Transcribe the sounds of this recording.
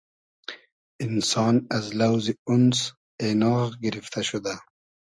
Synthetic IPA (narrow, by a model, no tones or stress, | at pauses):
ɪnsɑːnazlawziʊns | enɑːʁɡɪɾift̪ʰaʃʊd̪a